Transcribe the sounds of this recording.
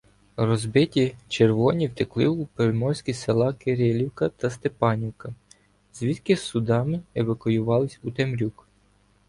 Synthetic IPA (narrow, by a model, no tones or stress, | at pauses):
rɔzbɪtʲit͡ʃerʋɔnʲiwt̪ɪklˠɪupeʋmɔsʲkʲiselˠɑkeɾʲelʲiwkɐt̪ɐst̪epɑnʲiwkɐ | zʋʲit̪kɪsʊd̪ɑmɪeʋɐkʊjʊʋɑlˠɪsʲut̪emɾʲuk